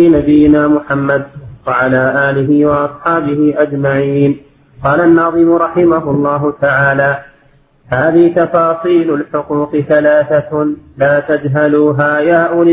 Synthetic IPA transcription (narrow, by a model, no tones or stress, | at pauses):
ɪnabɪjːɪnaːmʊħamːad̪waʕalaːʔaːlɪɦɪwɑʔɑsˤħɑːbɪhɪʔad͡ʒmaʕiːn | qɑːlanːɑːðˤɨmʊɾˤɑħɪmaɦʊlˤːɑːɦʊt̪aʕaːlaː | haːðɪht̪ɑfɑːsˤiːlʊlħʊquːqɪθalaːθalaːt̪ad͡ʒɦaluːɦaːjaːʔʊlɪ